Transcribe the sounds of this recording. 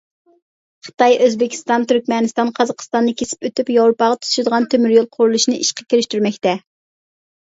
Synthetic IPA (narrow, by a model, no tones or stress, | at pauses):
χə̥t̪ɑjøzbɪkʲʰi̥st̪ɑnt̪yɾkʲmɛnɨst̪ɑnqʰɑzɑqʰə̥st̪ɑnːɨkʲʰesɪ̥pøt̪ypjɑwɾupɑʁɑt̪ʰu̥z̥ʃɪd̪əʁɑnt̪ʰømyɾjolˠqʰʊɾulˠuʃinɨʔiʃqɑ̥kʲʰeɾɪʃt̪yɾmɛkʲt̪ɛ